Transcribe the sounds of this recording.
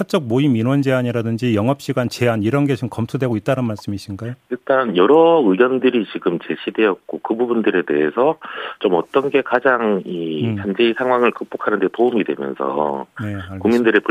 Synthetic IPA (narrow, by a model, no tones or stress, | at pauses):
sʰat͡ɕ͈ʌk̚moiminwʌnd͡ʑe̞aɲiɾadɯnd͡ʑijʌŋɦʌp̚ɕ͈iɡant͡ɕe̞aniɾʌnɡe̞t͡ɕimkʌmtʰudwe̞ɡoit̚t͈anɯnmaɭs͈ɯmiɕʰinɡajoiɭt͈anjʌɾʌɯɡjʌndɯɾit͡ɕiɡɯmt͡ɕe̞ɕʰidwe̞jʌt̚k͈okɯbubundɯɾe̞de̞̰ɦesʰʌt͡ɕomʌt͈ʌnɡe̞kad͡ʑaŋit͡ɕand͡ʑeisʰaŋɦwaŋɯɭkɯk̚p͈okʰanɯnde̞toumidwe̞̰mjʌ̰nsʰʌ̰ne̞akuŋmindɯɾepɯ